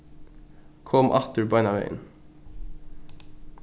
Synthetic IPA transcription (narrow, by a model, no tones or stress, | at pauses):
kʰɔmʔɑ̰t̪əɹbɑɪnɑʋḛɪə̰n